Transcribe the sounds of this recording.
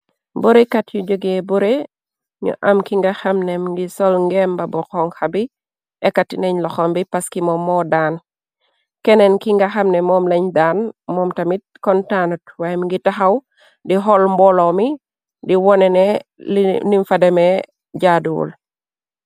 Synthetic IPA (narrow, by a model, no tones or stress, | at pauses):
boɾekatjud͡ʒoɡebuɾe | ɲṵʔɐmkiŋɡaxamnɛmŋɡisɔlŋɡɛmbɐbɔkɔŋxabi | ɛkːatineɲlɔxɔmbipaskimɔmːɔdan | kɛnɛnkiŋɡaxɐmnɛmɔmleɲdanmɔmtɐmit̚kɔntanutwamiŋɡitaxaw | diɦɔlmbɔlɔmi | diwɔnɛnɛ | niɱfadɛmɛ | d͡ʒadṵːl